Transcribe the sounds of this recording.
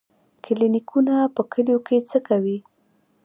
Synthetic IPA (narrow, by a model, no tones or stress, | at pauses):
kɪlinikʰunapəkəljoket͡səkawi